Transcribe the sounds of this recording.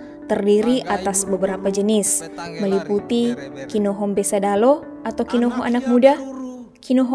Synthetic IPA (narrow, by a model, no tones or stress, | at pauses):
t̪ərdiɾiʔat̪asbəbəɾapad͡ʒənɪsməliput̪ikinoɦɔmbesadalo | at̪awkinoɦɔʔanak̚muda | kinoɦɔ